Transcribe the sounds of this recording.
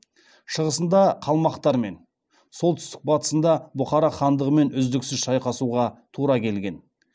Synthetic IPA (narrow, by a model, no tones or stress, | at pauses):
ʃəʁəsənd̪ɑqʰɑlˠmɑqt̪ɑɾme̞n | solˠt̪ʏst̪ɪ̥k̚bɑt̪ə̥sənd̪ɑbʊχɑɾɑχɑnd̪əʁəme̞nʏzd̪ɪksɪzʃɑjqɑsuʁɑt̪ʰuɾɑkʲʰe̞lɡʲe̞n